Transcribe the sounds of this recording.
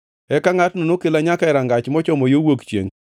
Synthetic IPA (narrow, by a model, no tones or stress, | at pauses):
ɛkaŋatnonokɪlaɲakaɪɾaŋɡat͡ʃmɔt͡ʃɔmɔjowokt͡ʃjḛŋ